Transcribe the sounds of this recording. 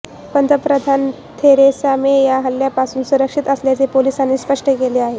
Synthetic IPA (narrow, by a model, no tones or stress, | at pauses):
pənt̪əpɾəd̪ʱan | t̪ʰeɾesamejaɦəlːjapasuːnsuɾəkʂit̪əsljat͡sepolisanːiːspəʂʈʰəkeleaɦe